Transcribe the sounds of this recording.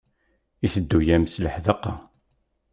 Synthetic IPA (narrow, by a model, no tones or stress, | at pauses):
iθəd̪ːujæmsləħðəqːɑ